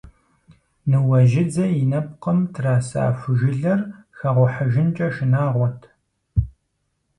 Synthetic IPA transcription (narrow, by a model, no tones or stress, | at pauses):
nɨwɐʒɪd͡zɐjɪnɐpqɐmtʰraːsa̰ːfɨʒɪɮɐrxɐʁʷɔħɐʒɪnt͡ʃʼɐʃɪnaːʁʷɔtʰ